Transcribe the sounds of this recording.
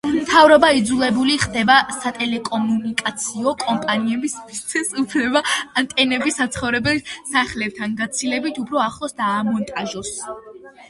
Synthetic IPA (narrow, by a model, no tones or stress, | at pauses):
mt̪ʰavɾɔbaid̪zulˠɛbuliχd̪ɛbasat̪ʼɛlɛkʼɔmunikʼat̪sʰiɔkʼɔmpʼaniɛbismist̪sʰɛsupʰlɛbaant̪ʼɛnɛbisat̪sʰχɔvɾɛbɛlsaχlɛp̚t̪ʰanɡat̪sʰilɛbit̪ʰupʰɾɔaχlˠɔsd̪aːmɔnt̪ʼaʒɔs